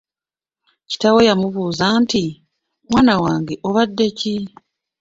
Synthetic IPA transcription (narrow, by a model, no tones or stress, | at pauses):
ci̥tawe̞jamuβuːzaːnti | mwaːnawaːŋɡe̞ʔoβadːe̞ci